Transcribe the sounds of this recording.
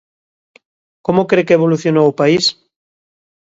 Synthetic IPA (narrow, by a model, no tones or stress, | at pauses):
komokɾekeeβ̞oluθjonoopais